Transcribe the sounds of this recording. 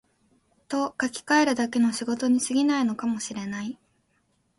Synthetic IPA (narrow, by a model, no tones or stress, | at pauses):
t̪o̞kakʲi̥kae̞ɾɯ̟d̪ake̞no̞ɕiɡo̞t̪o̞ɲ̟isɨɡʲinaino̞kamo̞ɕiɾe̞nai